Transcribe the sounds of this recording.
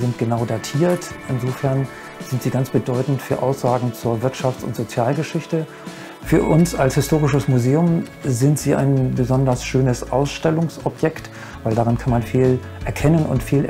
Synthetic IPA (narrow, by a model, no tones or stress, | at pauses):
zɪntɡ̥ənaʊdaːtʰiːɐtʔɪnzoːfɛɐn | z̥ɪntz̥iːɡant͡sb̥ədɔʏtn̩tfyːɐʔaʊsz̥aːɡŋ̩t͡suːɐvɪɐtʃaft͡sʊ̰ntz̥ot͡sjaːlɡəʃɪçtə | fyːɐʔʊnsalshɪstʰoːʁɪʃəsmuzeːʊm | zɪntz̥iːʔa̰ɪnbəzɔndɐsʃøːnəsʔa̰ʊsʃtɛlʊŋsʔɔpjɛkt | vaɪldaʁankʰanmanfiːl | ʔɛɐkʰɛnənʊ̰ntfiːl